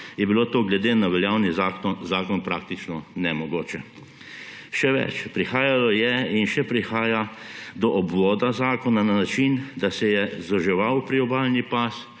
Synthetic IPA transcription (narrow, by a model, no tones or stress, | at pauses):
jɛbiloːt̪oːɡlɛd̪eːnaʋɛljaːwnizazaːkɔnpɾaːk̚t̪it͡ʃnɔnɛmɔɡoːt͡ʃɛ | ʃɛʋɛ̰t͡ʃpɾixaːjalɔjɛinʃɛpɾixaːja | d̪ɔʔɔbʋɔːd̪azaːkɔnananat͡ʃind̪asɛjɛzɔʒɛʋawpɾiɔbaːlnipas